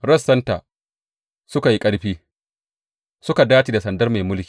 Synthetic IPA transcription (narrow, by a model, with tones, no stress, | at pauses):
ɽɐ˦sːɐ˦ntaː˨ | sʊ˦ka˨ji˦kʼɐ˦ɽɸiː˦ | sʊ˦ka˨daː˦t͡ʃi˨da˨sɐ˨ndɐ˦rma˨jmʊ˦lkʲiː˨